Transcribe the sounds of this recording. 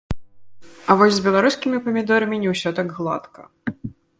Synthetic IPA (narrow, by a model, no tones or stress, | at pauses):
ɐvɔsʲzʲbʲɛlˠaɾuskʲimʲipɐmʲid̪ɔɾɐmʲinʲɛwsʲɔt̪aɡɣlˠa̰t̪kɐ̰